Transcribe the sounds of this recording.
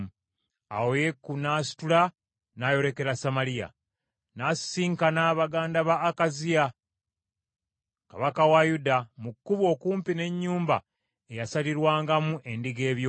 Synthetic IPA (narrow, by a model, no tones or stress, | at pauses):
a̰woje̞kːunaːsi̥tula | najo̞ɾe̞ke̞ɾasamalija̰ | nassiːŋkanaβaɡaːndaβaːkazija | kaβakawajudamukːuβo̞kuːmpine̞ɲːuːmba̰ | e̞jasaliɾwaːŋɡamuʔe̞ndiɡe̞ːβjo̞